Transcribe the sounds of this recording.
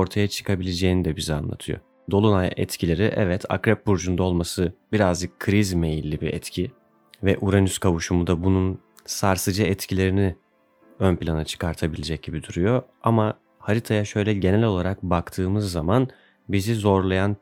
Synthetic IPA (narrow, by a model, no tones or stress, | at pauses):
o̞ɾt̪ʰajat͡ʃʰɯ̥kʰabilʲe̞d͡ʒeːnid̪ɛbizia̰nlˠa̰t̪ʰɯjo̰ | d̪o̞lˠunajɛ̰t̪cʰilʲe̞ɾiʔɛ̰vɛt̪ʰa̰kɾɛp̚buɾd͡ʒund̪ao̞lˠmasɯbiɾazd͡ʒɯkʰːɾizmejilʲːibiɛ̰t̪cʰi | vɛʔuɾanyskʰavuʃumud̪abunun | saɾsɯd͡ʒɯɛt̪cʰilʲe̞ɾini | ønpʰilʲanat͡ʃʰɯ̥kʰaɾt̪ʰabilʲed͡ʒɛc̚ɟ̥ibid̪uɾujo̞ | ama | haɾit̪ʰajaʃø̞jlʲɛɟe̞nɛlʲo̞lˠaɾak̚bakt̪ʰɯːmɯzːaman | bizizo̞ɾlˠajan